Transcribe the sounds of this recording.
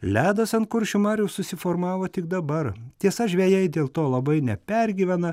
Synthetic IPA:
lʲæːd̪ɐsɐnkʊɾʲʃʲʊmɑːɾʲjɛʊsʊsʲɪfoːɾmɑːʋoːt̪ʲɪk̚d̪ɐbɐrt̪ʲiɛsɐʒʲʋʲɛːjɛɪd̪ʲeːlˠt̪oːlˠɐbɐɪnʲɛpʲɛɾʲɡʲiːʋʲɛnɐ

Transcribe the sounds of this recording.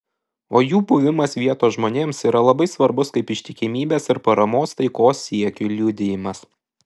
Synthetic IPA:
oːjuːbʊʋʲɪmɐsʋʲiɛt̪oːʒmoːnʲeːmsiːɾɐlˠɐbɐɪsʋɐɾbʊskɐɪpɪʃʲt̪ʲɪkʲɪmʲiːbʲeːsɪɾpɐɾɐmoːst̪ɐɪkoːsːʲiɛkʲʊlʲud̪ʲɪjɪmɐs

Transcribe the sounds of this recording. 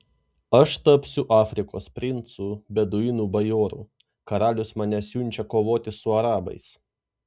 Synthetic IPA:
ɐʃt̪ɐpʲsʲʊʔɑːfʲɾʲɪko̰ːspʲɾʲɪnt̪suːbʲɛd̪ʊɪnuːbɐjoːɾṵː | kɐɾɑːlʲʊsmɑnʲɛsʲjʊnʲt͡ʃʲɛkoːʋoːt̪ʲɪsʊɐɾɑːbɐ̰ɪs

